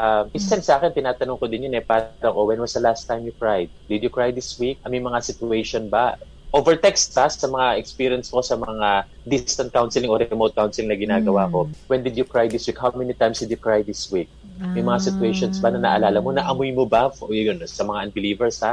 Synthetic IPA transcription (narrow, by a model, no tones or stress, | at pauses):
ʔamʔɪsɛnsʔaːkɛnt̪ɪnaːt̪ɐnʊŋkod̪ɪnjonɛpaːɾɐŋʔowɛnwɐsd̪ɐlast̪ːajmjʊkɹajd̪̚d̪ɪd̪jʊkɹajd̪ɪswik̚ʔɐmɐjmɐŋasɪt̪ʊɛjʃonbɐ | ʔovɛɹt̪ɛkst̪̚b̥ɐsɐmɐŋaʔɛkspiːɾjɐnsko̞sɐmŋa | d̪ist̪ɐnt̪̚kawnsɪlɪŋʔoɾɛmod̪̚kawnsɪlɪŋnɐɡɪnaːɡɐwako̞wɛnd̪ɪd̪jʊkɹajd̪ɪswikhawmɛnit̪ajmsd̪ɪd̪jʊkɹajd̪ɪswik̚ | mɐjmɐŋasɪt̪ʊɛjʃonsbɐnɐnɐ̰ʔɐlaːlɐmonɐʔɐmojmobafʔojonsɐmɐŋaʔɐnbɪliːvɛɹsha